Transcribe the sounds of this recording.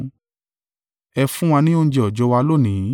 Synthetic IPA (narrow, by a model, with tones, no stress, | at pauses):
ɛ˧fũ˦w̃ã˧nĩ˦o˦n̩˦d͡ʒɛ˧ɔ˨d͡ʒɔ˨˦wa˧lo˦˨nĩ˨˦